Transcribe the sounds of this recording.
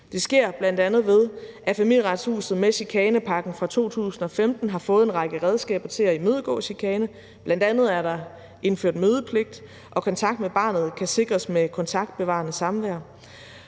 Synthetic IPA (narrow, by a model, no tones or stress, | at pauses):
d̥e̝sɡ̥e̝ɐ̰b̥læn̰d̥ænð̞̩ˠʋe̝ð̞ˠʔæfæmil̰jʁɑ̈d̥shṵːsð̩ˠmeɕikʰɛːnəpʰɑ̈ɡ̥n̩fʁɑ̈t͡sʰo̝̰ːt͡sʰṵːsn̩ɒ̽femd̥n̩ɦɑ̈fɔ̽ːð̞̩ˠe̝nʁɑ̈ɡ̥əʁɛð̞ˠsɡ̥ɛ̰ːb̥ɐt͡sʰe̝læimøːð̞ˠəɡ̥ɔ̰̽ɕikʰɛːnə | b̥lænd̥ænð̞̩ˠæɐɾɑ̈ | e̝nføɐ̰d̥møːðˠəpʰle̝ɡ̥̚d̥ | ʔɒ̽kʰɒ̽nt͡sʰɑ̈ɡ̥̚d̥meb̥ɑ̰̈ːnð̩ˠkʰæse̝ɡ̥ʁɐsmekʰɒ̽nt͡sʰɑ̈ɡ̥d̥̚b̥e̝ʋɑ̰̈ːnəsɑ̈mʋæɐ̰